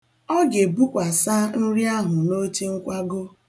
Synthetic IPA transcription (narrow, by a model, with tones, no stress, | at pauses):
ɔ˦ɡe˨bu˦kʷa˨sa˦n̩˦ɾi˦a˦ɦʊ˨no˦t͡ʃi˦ŋ̩˦kʷa˦ɡo˦